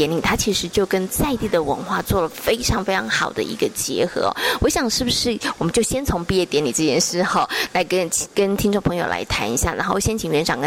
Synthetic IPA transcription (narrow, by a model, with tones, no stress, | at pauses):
ɛ˧˥nli˨˩t̪ʰa˥t͡ɕʰi˧˥ʂɻ̩˧˥t͡ɕjo˥˩ʊkə˥nt͡sa˥˧ɪt̪i˥˩d̪ə˩wə̰˧˥nxwa̰˥˧t͡swɔ˥˩lə˩fe˥ɪʈ͡ʂʰɑ˧˥ŋfe˥ɪʈ͡ʂʰɑ˧˥ŋxɑ̰˨˩ʊd̪ə̰˦ḭ˧˥ɡə˧t͡ɕjɛ̰˧˥xɤ̰˧˥ɔ̰˦wɔ˧˥ɕjɑ˨˩ŋʂɻ̩˥˩bu˨˩ʂɻ̩˥˩wɔ˨˩mə˨˦nt͡ɕjo˥˩ʊɕjɛ˥nt͡sʰʊ˧˥ŋpi˥˧jɛ˥˩t̪jɛ˧˥ni˨˩ʈ͡ʂ̩˥˧t͡ɕjɛ˥˧nʂɻ̩˥˧xo˥ʊla˧˥ɪkə˥˩kə˥nt̪ʰi˥ŋʈ͡ʂŋpʰɤ˧˥ŋjo˨˩ʊlʔa̰˧˥ɪt̪ʰa̰˧˥ni˧˥ɕja˥˩na˧˥xo˥˧ʊ˩ɕjɛ˥nt͡ɕʰi˨˩ŋɥɛ˧˥nʈ͡ʂɑ̰˨˩ŋk